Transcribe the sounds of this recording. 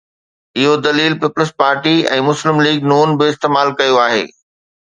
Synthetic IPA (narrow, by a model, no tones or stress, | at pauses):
ɪɦod̪ɐliːlpɪpləspaːɾʈiɛ̰̃ːmʊslɪmliːɡnuːnbɪɪst̪eːmaːlkɐjoaːɦḛː